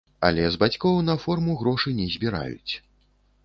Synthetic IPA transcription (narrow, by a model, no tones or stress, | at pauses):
ɐ̰lʲɛzbat͡sʲkɔwnɐfɔrmuɣɾɔʂɨnʲɛzʲbʲiɾa̰jṵt͡sʲ